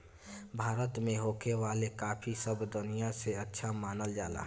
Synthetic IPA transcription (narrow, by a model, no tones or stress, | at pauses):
bʱaːɾət̪meɦokeʋaːlekaːpʰisəbd̪unijaseətːʃʰamaːnəld͡ʒa̰ːla̰